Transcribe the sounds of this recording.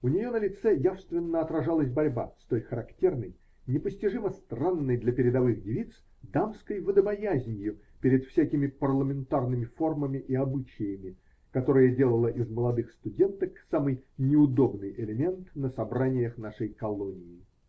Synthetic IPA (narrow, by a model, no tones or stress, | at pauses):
ʊnʲɪjo̞nəlʲɪt̪sɛjafst̪vʲɪnːəɐt̪ɾɐʐalˠəsʲbɐɾʲba̰st̪o̞jxəɾɐktʲe̞rnəj | nʲɪpəsʲtʲɪʐɨməst̪ranːɨjd̪lʲɐpʲɪɾʲɪd̪ɐvɨxdʲɪvʲit̪s | d̪amskəjvəd̪əbɐjæzʲnʲjʊ | pʲɪɾʲɪt̪fsʲækʲɪmʲɪpərlˠəmʲɪnt̪arnɨmʲɪfo̞rməmʲɪʔiɐbɨt͡ɕɪjəmʲɪ | kɐt̪o̞ɾɨjədʲe̞lˠəlˠəʔɪzməlˠɐd̪ɨxst̪ʊdʲe̞nt̪əksamɨjnʲɪʊd̪o̞bnɨjʔɪlʲɪmʲe̞nt̪nəsɐbɾanʲɪjəxnaʂəjkɐlˠonʲɪjɪ